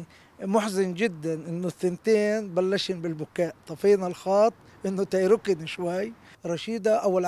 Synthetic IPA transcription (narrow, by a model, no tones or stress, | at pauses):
mʊħzɪnd͡ʒɪd̪ːanʔɪnːʊθɪnt̪eːnbalːaʃinbɪlbʊkaːʔt̪ˤɑfiːnalxɑːt̪ˤ | ʔɪnːʊt̪ajɾʊkɪnʃwajː | ɾˤɑʃiːd̪aʔawɪlʕ